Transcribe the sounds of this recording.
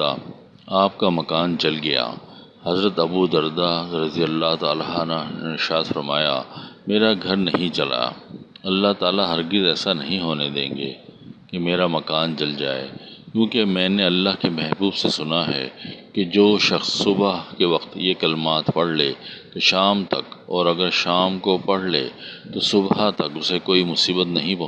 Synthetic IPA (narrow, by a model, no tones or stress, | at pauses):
a̰ | aːp̚kamɐkaːnd͡ʒɐlɡɐja̰ː | hɐzɾət̪ɐbud̪ɐɾd̪aɾɐzijəlːat̪aːlɦanaɪʃaːd̪fɐɾmaːja̰meːɾaɡʱɐɾnɐɦĩt͡ʃɐla̰ɐlːaɦt̪aːlaɦɐɾɡɪzɛːsanɐɦĩɦoːned̪ḛ̃ːŋɡḛːkemeːɾamɐkaːnd͡ʒɐld͡ʒa̰ːḛːkjũːkemɛ̃ːneɐlːaɦkemɛɦbuːbsesʊnaɦɛ̰ked͡ʒoːʃɐxsːʊbɦkeʋɐqt̪jekɐlmaːt̪pɐɽ̤lekeʃaːmt̪ɐkɔːɾɐɡəɾʃaːmkopɐɽ̤lḛt̪osʊbɦat̪ɐkʊsekoːimʊsiːbət̪nɐɦĩpɐɦ